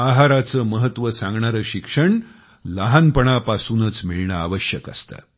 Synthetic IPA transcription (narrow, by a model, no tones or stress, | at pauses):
aɦaɾat͡səːməɦət̪ʋəsãŋɡɳaɾəːɕikʂəɳ | laɦanpəɳ̃apasuːnət͡smiɭɳəa̰ʋəɕjəkə̰st̪a̰